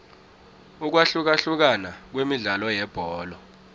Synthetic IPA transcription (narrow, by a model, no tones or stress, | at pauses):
uk̬waɬuk̬aɬuk̬anak̬wemiɮalɔjɛb̥ʱɔːlɔ